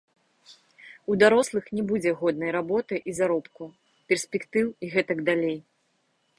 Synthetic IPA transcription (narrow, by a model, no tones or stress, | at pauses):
ud̪aɾɔslˠɨxnʲɛbud͡zʲɛɣɔd̪nɐjɾabɔt̪ɨʔizaɾɔpku | pʲɛrsʲpʲɛkt̪ɨwiɣɛt̪ɐɡd̪alʲej